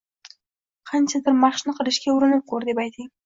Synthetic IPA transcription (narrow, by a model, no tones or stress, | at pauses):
qʰɑnt͡ʃʰad̪ɪɾmɑχʃnɨqʰɨɾɪʃkʲaʊɾɪnɪp̚qʰoɾd̪epɑjt̪ʰɪŋ